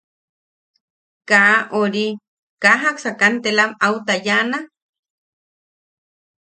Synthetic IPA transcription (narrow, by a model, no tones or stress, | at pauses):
kaʔoɾi | kaɦaksakant̪elamawt̪ajana